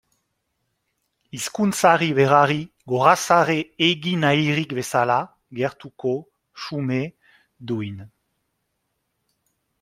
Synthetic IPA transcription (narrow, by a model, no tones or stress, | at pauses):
iskunt͡saʁiβeʁaʁi | ɡoʁasaʁeːɣinajʁikbesala | ɡeʁt̪uko | ʃume | d̪uin